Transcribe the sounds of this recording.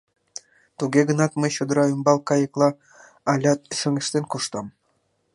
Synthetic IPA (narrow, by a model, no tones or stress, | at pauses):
t̪uɡeɡə̆nɑt̪məjɕod̪əɾɑymbɑlˠkɑjə̆klˠɑ | ɑlʲɑt̪̚ʃø̆ŋeʃt̪enkuʃt̪ɑm